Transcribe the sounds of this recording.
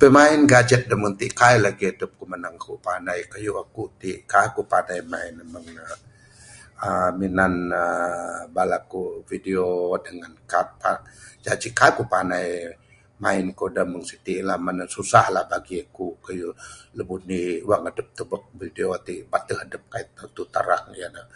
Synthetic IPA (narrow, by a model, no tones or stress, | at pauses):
pəmainɡad͡ʒət̪̚dəməŋt̪iʔkajlaɡiadəp̚kumənaŋakuʔpanajkajuakuʔt̪iʔkajkupanajmainəməŋ | əminanəbalakuvidiodəŋankapad͡ʒad͡ʒikakupanaj | mainkodaməŋsit̪iʔlahmanasusahlahbaɡiakuʔkəjuləbuhniuwaŋadəp̚t̪əbək̚videot̪iʔbat̪əɦədəp̚kait̪̚at̪ut̪aɾaŋjana